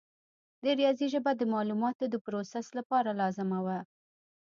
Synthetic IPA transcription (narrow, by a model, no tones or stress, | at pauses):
d̪əɾijɑziʒəbad̪əmɑlumɑt̪od̪əpɾosaslapɑɾalɑzɪmawa